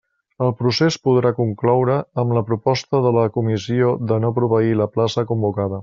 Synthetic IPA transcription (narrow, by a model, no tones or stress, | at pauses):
əlˠpɾusespuð̞ɾakuŋklɔwɾəːmləpɾupɔst̪əðələkumisioðənopɾuβəiləplasəkumbukaðə